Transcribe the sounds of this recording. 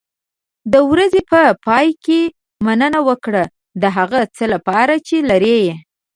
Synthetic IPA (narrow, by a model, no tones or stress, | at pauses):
d̪əwɾazepəpɑjke | manənawəkɽa | d̪əɦaɣat͡səlapɑɾat͡ʃelaɾeje